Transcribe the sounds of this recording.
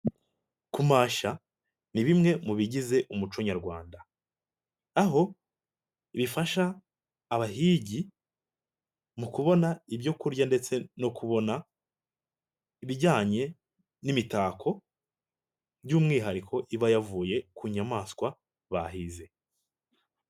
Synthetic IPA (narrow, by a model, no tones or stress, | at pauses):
kumaːʃa | niβimŋe̞muβiɟize̞ʔumut͡ʃoɲaɾɡwaːnda | aɦo̞ | iβifaʃaː | βaɦiːɟi | mukuβo̞naiβjo̞kuɾɟande̞t͡se̞no̞kʰuβo̞na | iβiɟaːɲe̞ | nimitaːkʰo̞ | bjuːmŋiːɦaɾikʰo̞ʔiβajavuːje̞kuɲamaːskwa | βa̰ɦize̞